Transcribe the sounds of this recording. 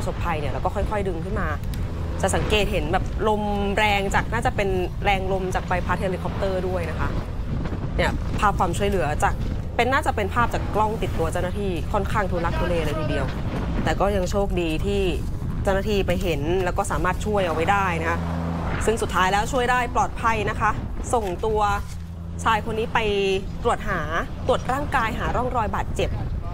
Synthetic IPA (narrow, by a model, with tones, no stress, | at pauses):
pso˨˩pʰːa˧jni˥˩ɾɛː˦˧wkɔː˥˩kʰɔ˥˩jkʰɔ˥˩jdɯ˧ŋkʰɯ˥˩nmaː˧ | t͡ɕa˨˩sa˩˦ŋkeː˨˩t̪̚ɦe˩˦nbɛː˨˩p̚lo˧mɾɛː˧ŋt͡ɕaː˨˩k̚naː˥˩t͡ɕa˨˩pe˧nɾɛː˧ŋlo˧mt͡ɕa˨˩k̚pa˧jpʰaː˦˥t̪̚ʰha˧liː˧kʰɔ˦˥p̚t̪ɤː˥˩du˥˩əjna˦˥kʰa˦˥ʔ | ni˥˩ɐpʰaː˥˩p̚kʰwaː˧mt͡ɕʰu˥˩əjlɯ˩˦ɐt͡ɕa˨˩k̚ | pe˧nːaː˥˩t͡ɕa˨˩pe˧npʰaː˥˩p̚t͡ɕaː˨˩kːlɔ˥˩ŋt̪i˨˩t̪ːu˧ɐt͡ɕa˥˩wnaː˥t̪ʰiː˧˩kʰɔ˥˩nkʰaː˥˩ŋt̪ʰu˧nla˦˥k̚du˧leː˧ʔa˧ɾa˧jt̪ʰiː˧di˧əw | t̪ɛː˨˩kɔː˥˩ja˧ŋt͡ɕʰoː˥˩k̚diː˧t̪ʰiː˥˩ | t͡ɕa˥˩wnaː˥˩t̪ʰiː˥˩pa˧jɦe˩˦nlɛː˦˥wkɔː˥˩saː˩˦maː˥˩t̪̚t͡ɕʰu˥˩əjʔa˨˩wa˧˩jdaː˥˩jna˦˥kʰa˦˥sɯ˥˩ŋsu˨˩t̪ʰːaː˦˥jlɛː˦˥wt͡ɕʰu˥˩əjdaː˥˩jplɔː˨˩t̪̚pʰa˧jna˦˥kʰa˦˥ | so˨˩ŋt̪u˧ɐ | t͡ɕʰaː˧jkʰo˧nːiː˦˥pa˧jt̪ɾu˨˩ət̪̚ɦaː˩˦t̪u˨˩ət̪̚ɾaː˥˩ŋkaː˧jɦaː˩˦ɾɔ˥˩ŋɾɔː˧jbaː˨˩t̪̚t͡ɕe˨˩p̚